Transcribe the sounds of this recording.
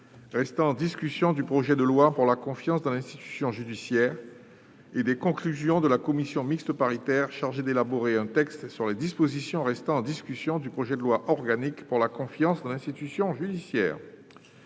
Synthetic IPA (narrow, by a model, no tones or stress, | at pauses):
ʁɛst̪ɑ̃ɑ̃d̪iskʲysjɔ̃d̪ypχɔʒɛd̪əlwapuʁlakɔ̃fjɑ̃sd̪ɑ̃lɛ̃st̪it̪y̥sjɔ̃ʒyd̪isjɛːʁ | ed̪ɛkɔ̃klyzjɔ̃d̪əlakɔmisjɔ̃mikst̪əpaʁit̪ɛʁʃaʁʒed̪elaboʁeɛ̃t̪ɛkst̪syʁled̪ispozisjɔ̃ʁɛst̪ɑ̃ːd̪iskʲysjɔ̃d̪ypχɔʒɛd̪əlwaʔɔʁɡanikpuʁlakɔ̃fjɑ̃sd̪ɑ̃lɛ̃st̪it̪ysjɔ̃ʒyd̪isjɛ̰ːʁ